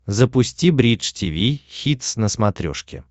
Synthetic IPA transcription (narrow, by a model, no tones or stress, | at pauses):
zəpʊsʲtʲibɾʲit͡ʂtʲivʲixʲit̪snəsmɐt̪ɾʲo̰ʂkʲɪ̰